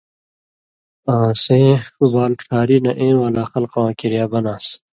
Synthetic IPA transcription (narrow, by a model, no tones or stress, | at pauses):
ãːsẽːkubaːlʈ͡ʂʰaːɾinɐ̰ʔẽːwaːlaːxɐlqwãːkiɾjaːbɐnaːs